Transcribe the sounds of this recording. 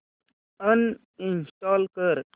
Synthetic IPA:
ən | insʈɔːlkəɾ

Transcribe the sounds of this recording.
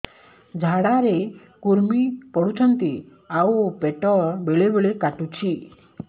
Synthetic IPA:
d͡ʒʱaɽaɾe | kuɾmipɔɽut͡ʃʰɔnt̪i | aupeʈɔbeɭebeɭekaʈut͡ʃʰi

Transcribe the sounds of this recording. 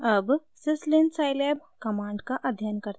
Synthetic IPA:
əbsɪslensaːɪleːb̚kɐmaːɳɖkaʔɐd̪ʱjankɐɾt̪

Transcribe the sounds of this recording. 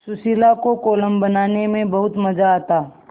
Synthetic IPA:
sʊsiːlakokoːləmbənaːnemẽbɐɦʊt̪mɐd͡ʒaːt̪aː

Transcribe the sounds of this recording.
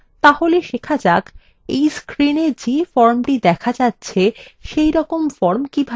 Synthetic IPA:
t̪aholeʃekʰad͡ʑak | ḛjskɾineɾd͡ʑefɔɾmʈid̪ɛkʰad͡ʑatːɕʰeʃejɾɔkomfɔɾmkibʱa

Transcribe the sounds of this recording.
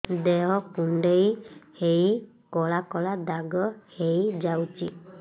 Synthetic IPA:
d̪eɦɔkuɳɖejhej | kɔɭakɔlad̪aɡɔhejd͡ʒawt͡ʃḭ

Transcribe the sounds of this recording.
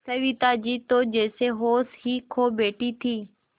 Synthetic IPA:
sɐʋit̪ad͡ʑiːt̪od͡ʑeːseɦoːsɦiːkʰoːbeːʈit̪ʰiː

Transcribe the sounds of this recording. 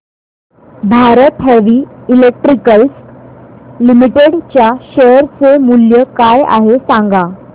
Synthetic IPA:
bʱaɾət̪ɦɛʋiːilek̚ʈɾikəls | limiʈeɽt͡ɕjaɕəɾt͡semuljəkaja̰ɦesãŋɡa

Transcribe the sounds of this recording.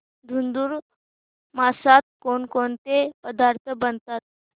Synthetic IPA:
d̪ʱund̪uːɾ | masat̪̚koɳkoɳt̪epəd̪aɾt̪ʰəbənt̪at̪̚

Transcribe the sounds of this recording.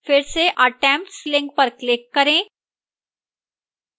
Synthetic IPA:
fɪɾseʔəʈɛ̃mp̚ʈslɪ̃ŋɡ̚pəɾklɪkːɐɾẽː

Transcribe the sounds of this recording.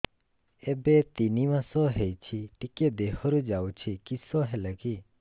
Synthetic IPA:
ebet̪inimãsɔɦejt͡ʃʰiʈiked̪eɦɔɾud͡ʒawt͡ʃʰikisɔɦɛləki

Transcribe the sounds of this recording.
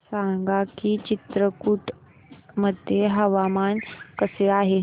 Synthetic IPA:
sãŋɡakiːt͡ɕit̪ɾəkuʈ | məd̪ʱjeɦəʋamankəseaɦe

